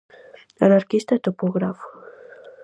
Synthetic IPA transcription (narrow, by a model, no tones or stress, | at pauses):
anaɾkist̪at̪opoɣɾaf